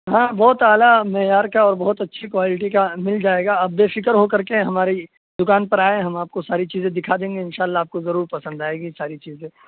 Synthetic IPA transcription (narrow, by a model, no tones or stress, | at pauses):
ɦãːbɔːt̪aːlamɛɦjaːɾkaɔːɾbɔɦːt̪ɐtːʃʰikwaːlɪʈ̬ikamɪld͡ʒaːeːɡaɐbːeːfɪkəɾɦokɐɾkeɛ̃ɦɐmaːɾi | d̪ʊkaːnpɐɾaːẽɦɐmaːp̚kosaːɾit͡ʃiːzẽd̪ɪkʰad̪ẽːŋɡeɪnʃaːlːaaːp̚kozɐɾuːɾpɐsə̃nd̪aːeːɡisaːɾit͡ʃiːzẽː